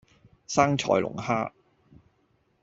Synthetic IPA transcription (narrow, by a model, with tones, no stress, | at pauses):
saː˥ŋt͡ʃʰɔ̰ː˨˩jlʔʊ̰˨˩ŋhaː˥